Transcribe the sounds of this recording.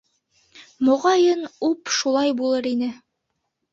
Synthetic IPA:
mŏʁɑjɤnupʃulˠɑjbulˠɤɾinɘ

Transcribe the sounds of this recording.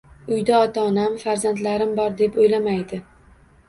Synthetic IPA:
ʊjd̪aɒt̪ʰaːnamfaɾzant̪laɾɪmbɒɾd̪e̞pojlamajd̪ɪ

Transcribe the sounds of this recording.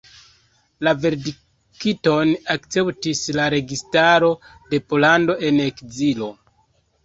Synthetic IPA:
lave̞ɾdi | kito̞nakt͡se̞ptislaɾe̞ɡistaɾo̞ | de̞po̞lando̞ʔe̞nekzilo̞

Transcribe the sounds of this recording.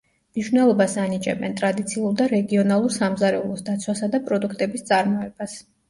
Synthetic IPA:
mniʃvnɛlˠɔbasanit͡ʃʼɛbɛnt̪ʼɾad̪it̪sʰiuɾd̪aɾɛɡiɔnalˠuɾsamzaɾɛulˠɔsd̪at̪sʰwasad̪apʼɾɔd̪ukʰt̪ʼɛbist̪sʼaɾmɔɛb̥as

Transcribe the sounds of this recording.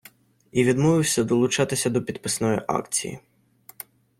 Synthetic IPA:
iʋʲid̪mɔʋɪwsʲɐd̪ɔlˠʊt͡ʃɑt̪ɪsʲɐd̪ɔpʲid̪pɪsnɔjḭʔɑ̰kt͡sʲḭjḭ

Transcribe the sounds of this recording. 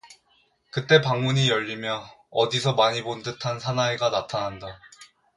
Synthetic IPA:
kɯt͈e̞paŋmuɲijʌʎːimjʌʌdisʰʌmaɲibondɯtʰansʰanaeɡanatʰanɦanda

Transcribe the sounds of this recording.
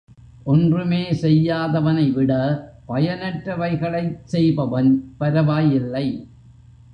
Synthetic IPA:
ʔɔndrɯmeːsɛjːaːðɐʋɐnɐɪʋɪɽɐpɐjɐnɐʈɾɐʋɐɪɣɐɭɐɪsɛjbɐʋɐnpɐɾɐʋaːjɪlːɐɪ

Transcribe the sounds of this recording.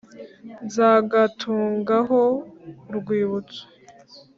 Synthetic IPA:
nzaːɡatʰuːŋɡaɦoɾɡwiːβut͡so̥

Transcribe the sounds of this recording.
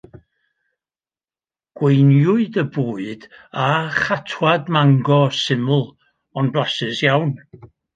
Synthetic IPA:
ɡ̥wejnjʊɨdəbuːɨd̥aχatʰwadmaŋɡɔsɪmʊlˠ | ɔnblˠasɨsjawn

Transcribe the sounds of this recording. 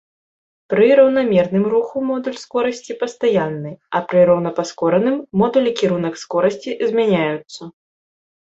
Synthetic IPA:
pɾɨɾɐwn̪amʲɛrnɨmruxumɔd̪ulʲskɔɾɐsʲt͡sʲipɐst̪ajanːɨɐpɾɨɾɐwnɐpaskɔɾɐnɨmːɔd̪ulʲikʲiɾunɐkskɔɾɐsʲt͡sʲizʲmʲanʲajut̪sːɐ

